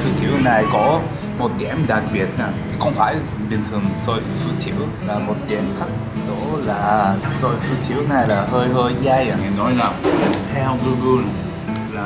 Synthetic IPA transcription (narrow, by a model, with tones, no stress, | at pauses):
sɨ˨˦˥t̪ʰḭ˧˨əwna˨˩jkɔ˨˦ | mo˨˩t̚kɛ˧˩mɗa˨˩k̚ɓi˨˩ət̚naː˨˩˧xə˧wŋ͡mfaː˧˩˨j | ɓï˨˩ŋ̟t̪ʰɨ˨˩əŋso˧jsu˧˦t̪ʰḭ˧˨əw | laː˨˩mo˨˩t̚kɛ˧˩mxʰə˦˥k̚ | ɗo˧˥laː˨˩so˧jsu˧˥t̪ʰḭ˧˩˥əwna˨˩jlaː˨˩ɦəː˧jɦəː˧jzaː˧ja˨˩ŋi˨˩nɔ̰˧˨˦jla˨˩m˧t̪ʰɛ˧wɡu˧ɡu˧l | laː˨˩